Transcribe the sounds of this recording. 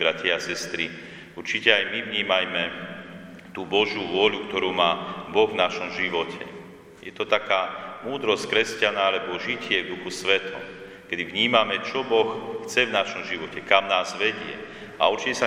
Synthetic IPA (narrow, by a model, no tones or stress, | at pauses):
bɾacɪɛasɛst̪ɾi | uɾt͡ʃicɛajmiʋɲiːmajmɛ | t̪uːbɔʒjuːʋʊɔʎukt̪ɔɾuːmaːbɔɣvnaʃɔmʒiʋɔcʰɛ̰ | jɛt̪ɔt̪akaːmuːd̪ɾɔsc̚kɾɛscanaalɛbɔʒicɪɛvd̪uxusʋɛt̪ʰɔ̰m | kɛd̪ivɲiːmamɛt͡ʃɔbɔxxt͡sɛvnaʃɔmʒiʋɔcɛkamnaːzʋɛɟɪɛ̰ | a̰uɾt͡ʃicɛsa